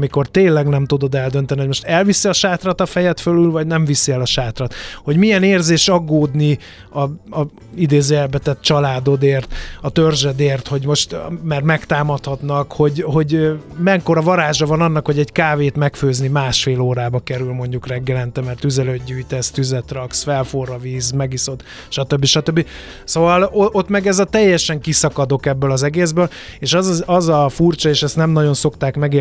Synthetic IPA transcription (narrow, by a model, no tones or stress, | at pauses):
miko̞rt̪eːnlɛɡnɛmt̪ud̪o̞d̪ɛld̪ø̞nt̪ɛniɦo̞ɟmo̞ʃt̪ɛlvisiɒʃaːt̪rɒt̪ɒfɛjɛt̪følylvɒɟnɛɱvisiɛlɒʃaːt̪rɒt̪ho̞ɟmiɛneːrzeːʃɒɡːoːd̪ni | ɒɒ | id̪eːzɛlbɛt̪ɛt̪̚t͡ʃɒlaːd̪o̞d̪eːrt̪ɒt̪ørʒɛd̪eːrt̪ho̞ɟmo̞ʃt̪mɛrt̪mɛkt̪aːmɒt̪hɒt̪nɒkho̞ɟɦo̞ɟmɛŋkoɾɒvɒɾaːʒɒvɒnɒnːɒkho̞ɟɛɟkaːveːt̪mɛkføːznimaːʃfeːloːɾaːbɒkɛɾylmo̞ɲɟukrɛɡːɛlɛnt̪ɛmɛrt̪yzɛlød̪ɟyːjt̪ɛst̪yzɛt̪rɒksfɛlforɒviːzmɛɡiso̞t̪ | ʃɒt̪øbːiʃɒt̪øbːi | soːvɒloʔo̞t̪mɛɡɛzɒt̪ɛjːɛʃɛŋkisɒkɒd̪o̞kɛbːølɒzɛɡeːzbøːl | eːʃɛzɒzɒfurt͡ʃɒeːʃɛst̪nɛmnɒɟo̞nso̞kt̪aːkmɛɡeː